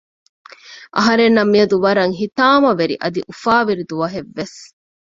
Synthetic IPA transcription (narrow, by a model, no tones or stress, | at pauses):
ʔɐɦɐɾenːɐmːiɐd̪uʋɐɾɐŋɦit̪aːmɐʋeɾḭʔɐd̪iʔufaːʋiɾid̪uʋɐɦeʋːes